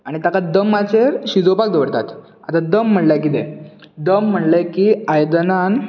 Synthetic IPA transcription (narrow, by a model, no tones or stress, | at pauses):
aɽ̃it̪akad̪əmːat͡seɾɕid͡zopak̚d̪əʋəɽt̪at̪ | a̰t̪ad̪əm̤ːəɳlakid̪ɛ | d̪əm̤ːəɳlekiajd̪ənan